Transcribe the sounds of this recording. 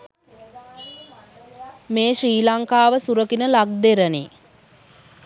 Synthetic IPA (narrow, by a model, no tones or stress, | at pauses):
meːʃriːlaŋkaːʋəsuɾəkinəlaɡ̚d̪eɾəni